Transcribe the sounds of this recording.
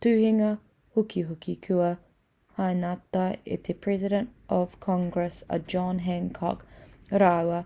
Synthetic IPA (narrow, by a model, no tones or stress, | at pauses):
t̪ʉːhɪŋə | hʊkiɦʊkikʰuə | hajnat̪ːaɪɪ̰t̪ʰepʰɹɛzɪdə̃ntʔɔv̥kʰɔ̃ŋɡɹɛsə̰d͡ʒɔnɦɛŋkʰɔ̰kɾawə